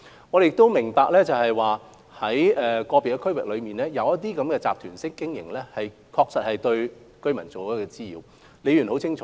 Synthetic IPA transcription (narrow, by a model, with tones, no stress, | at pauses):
ŋɔː˨˧ɾe˨jɪ˨kt̪o˥wmɪ˨˩ŋpaː˨˧k̚lɛː˥t͡sɐ˨whɐ˨jwaː˨ | hɐ˨˥jɛː˨kɔː˧pi˨kɐ˧kʰɵ˥ɥwɪ˨k̚lɵ˨˧miː˨nlɛː˥jɐ˨˧wjɐ˥t̚t̪̬iː˥kɐ˨˥mkɛː˧t͡saː˨p̚t̪ʰyː˨˩nsɪ˥kːɪ˥ŋjɪ̰˨˩ŋlɛː˥hɐ˨j | kʰɔː˧k̚sɐ˨t̚hɐ˨jt̪ɵ˧ɥ | kɵ˥ɥmɐ˨˩nt͡so˨wkɔ˨˥kɛ˧t͡siː˥jiː˨˧w | le˨˧jyː˨˩nho˨˥wt͡sʰɪ˥ŋt͡ʃʰɔː˨˦